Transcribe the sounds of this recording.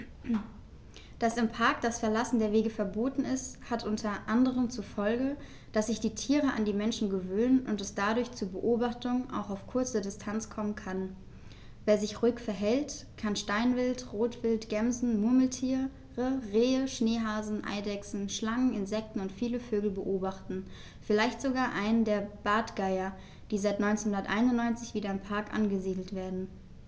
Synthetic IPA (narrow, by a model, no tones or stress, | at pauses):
d̥asɪmpʰaɐk̚d̥asfɛɐlasn̩deːɐveːɡəfɛɐboːtn̩ɪsthatʔʊntʰɐʔandəʁəmt͡sufɔlɡə | d̥asz̥ɪçd̥iːtʰiːʁəʔandiːmɛnʃn̩ɡəvøːnənʔʊntɛsd̥adʊɐçt͡suːɐbəʔoːbaχtʊŋʔa̰ʊxaʊfkʰʊɐt͡sədɪstʰant͡skʰɔmənkʰan | veːɐzɪçʁuːɪkfɛɐɦɛlt | kʰanʃtaɪnvɪltʁoːtv̥ɪltɡ̥ɛmzn̩mʊɐml̩tʰiː | ʁəʁeːəʃneːɦaːzn̩ʔa̰ɪdɛksn̩ʃlaŋənɪnzɛk̚tn̩ʊntfiːləføːɡl̩bəʔoːbaχtn̩ | fɪlaɪçtz̥oɡaːɐʔaɪnəndeːɐb̥aːtɡ̥aɪɐ | d̥iːzaɪtnɔʏnt͡senhʊndɐtʔa̰ɪnʊnnɔʏnt͡sɪçv̥iːdɐɪmpʰaɐkʔa̰nɡəziːdl̩tv̥eːɐdn̩